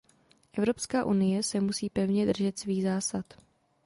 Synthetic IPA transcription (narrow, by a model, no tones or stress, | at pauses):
ʔɛvɾo̞pskaːʔunɪjɛsɛmusiːpɛvɲɛd̪r̩ʒɛt̪sviːɣzaːsat̪